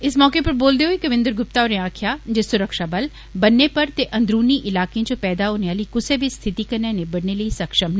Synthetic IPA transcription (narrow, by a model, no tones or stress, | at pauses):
ɪsmɔːkepɐɾboːld̪eɦoikɐʋɪ̃nd̪əɾɡʊp̚t̪aoːɾẽaːkʰjaːd͡ʒesʊɾəkʃabɐl | bɐnːepɐɾt̪eʔɐ̃nd̪ɾuːniʔɪlaːkeãd͡ʒopɛːd̪aɦoːneaːliːkʊsebʱist̪ʰɪt̪ikɐɾnãnebɐɽneləisɐkʃəmn